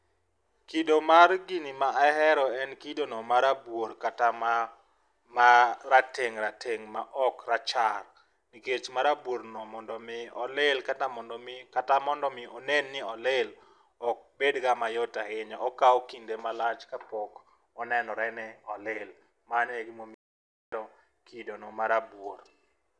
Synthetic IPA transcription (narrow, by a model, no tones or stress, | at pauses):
kidomarɡinimaʔaɦɛɾɔɛnkidonɔmaɾabwoɾkatama | maɾateŋɾatʰeŋma̰ʔɔkrat͡ʃar | niket͡ʃmaɾabwoɾnɔmɔndɔmɪɔ̰lɪlkatamɔndɔmɪkatamɔndɔmɪɔnenːɪɔlɪl | ɔk̚bedɡamajɔtahɪɲɔʔɔkaɔkindemalat͡ʃkapɔk | ɔnɛnɔɾɛnɛɔlɪl | manɛɡɪmomi | dɔ | kidonɔmaɾabwor